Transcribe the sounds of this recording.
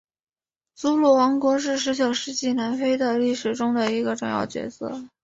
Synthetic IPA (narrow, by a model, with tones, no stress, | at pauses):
t͡su˥lɔ˥˩wɑ˧˥ŋkwɔ˧˥ʂ̬ɻ̩˥˩ʂ̬ɻ̩˧˥t͡ɕjo˨˩ʊʂɻ̩˥t͡ɕi˥˩na˧˥nfe˥ɪd̪ə˨li˥˩ʂɻ̩˨˩ʈ͡ʂʊ˥ŋd̪ə˨i˧˥ɡə˧ʈ͡ʂʊ˥˧ŋjɑ̰˥˩ʊt͡ɕɥɛ̰˧˥sɤ̰˥˩